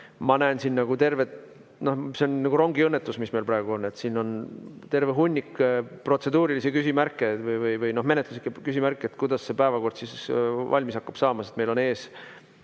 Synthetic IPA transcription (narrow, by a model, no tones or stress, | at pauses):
mɑnæːnsinːɑɡ̥ut̪e̞rve̞t̪ | no̞hseonnɑɡ̥uɾo̞ŋɡiɤnːet̪ːˑusmisme̞jlpɾɑeɡ̥uo̞nːe̞t̪sino̞nt̪e̞rveɦunʲːikːpro̞t̪se̞d̪uːɾilisekysʲimærkːˑet̪vɤjvɤjvɯjno̞ɦme̞ne̞t̪luslikːekysʲimærkːˑeet̪kujd̪̥ɑsːe̞pæevɑko̞rd̪̥sisvɑ̰lʲmisɑkːɑb̥sɑːmɑse̞t̪me̞jlo̞ne̞ːs